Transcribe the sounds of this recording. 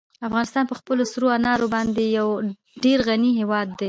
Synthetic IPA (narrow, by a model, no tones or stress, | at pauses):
afɣɑnɪst̪ɑnpəxpəlosɾoanɑɾobɑnd̪ejaw | ɖeɾɣaniɦewɑd̪ːe